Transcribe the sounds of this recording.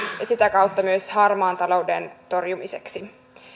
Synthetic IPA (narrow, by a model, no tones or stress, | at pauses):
jɑsit̪ækɑwt̪ːɑmyøshɑrmɑːnt̪ɑlo̞wdḛnt̪o̞rjumise̞ksi